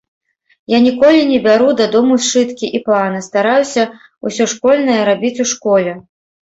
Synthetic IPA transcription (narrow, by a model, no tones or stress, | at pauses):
janʲikɔlʲinʲɛbʲaɾud̪ad̪ɔmust͡ʂɨt̪kʲiʔiplˠanɨst̪aɾajusʲɐ | ṵsʲɔʂkɔlʲnɐjɐɾabʲit͡sʲuʂkɔlʲɛ